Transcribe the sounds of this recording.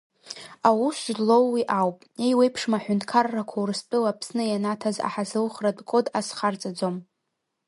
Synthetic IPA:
awusʒdlo̞wːiʔawpʼejwe̞jpʰʂmaħʷᶣʊntʰkʰarːakʷʰawrɨstʼɨlapʰsnɨjanatʰaza̰ħazɨlχradʼkʷʼodasχart͡sʼad͡zom

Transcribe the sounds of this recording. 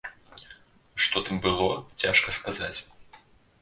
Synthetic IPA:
ʂt̪ɔt̪ɨmbɨlˠɔt͡sʲaʂkɐskazat͡sʲ

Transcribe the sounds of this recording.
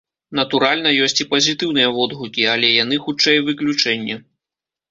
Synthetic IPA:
nɐt̪uɾalʲnɐjɔsʲt͡sʲipɐzʲit̪ɨwnɨjɐvɔd̪ɣukʲiɐlʲɛjan̪ɨxut͡ʂɛjvɨklʲut͡ʂɛnʲːɛ

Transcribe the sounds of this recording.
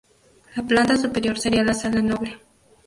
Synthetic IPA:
laplant̪asʊpeɾjoɾseɾialasalanobɾe

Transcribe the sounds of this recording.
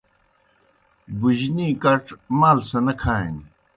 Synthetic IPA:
bud͡ʑniːkɐʈmaːlsɐnɐkʰaːḭn

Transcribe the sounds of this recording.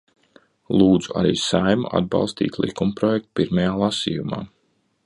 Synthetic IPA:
lˠuːd̪zuʔa̰ɾiːsajmuʔa̰d̪̚bɑ̰lˠst̪ḭːt̪ʲlˠḭkumpɾɔjɛk̚t̪piɾmɛjaːlˠasiːjuma̰ː

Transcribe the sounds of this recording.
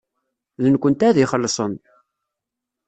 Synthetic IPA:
ðənkʷənt̪æðiχəlːsˤən

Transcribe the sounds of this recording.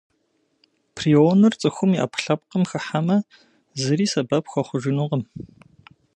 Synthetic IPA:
pʰrionɨrt͡sʼɨxʷʊmiʔɐ̰pɬɐp̚qəmxɐħamɐ | zɨriːsɐbɐpxʷɐχʷʊʒɪnuʁəm

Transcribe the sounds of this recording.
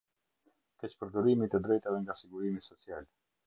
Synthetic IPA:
kɛt͡ɕpəɾd̪ɔɾimit̪əd̪ɾɛjt̪avɛŋɡasiɡuɾimisɔt͡sial

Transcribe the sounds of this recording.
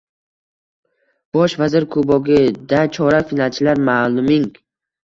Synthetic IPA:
b̥ɒʃvazɪɾkʰobɒɡʲɪd̪at͡ʃʰɒɾafinalˠt͡ʃʰɪlaɾmaːlˠʊmɪŋ

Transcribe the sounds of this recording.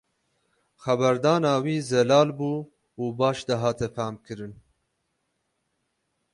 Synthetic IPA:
xɛbæɾd̪ɑːnɑːwiːzɛlɑːlbuː | uːbɑːʃd̪ɐɦɑːt̪ʰɛfæːmkɨɾɨn

